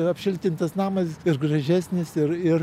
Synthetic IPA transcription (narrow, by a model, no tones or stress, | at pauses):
ɐpʲʃʲɪlʲt̪ʲɪnt̪ɐsnɑːmɐsɪrɡrɐʒʲæːsʲnʲɪsɪɾɪr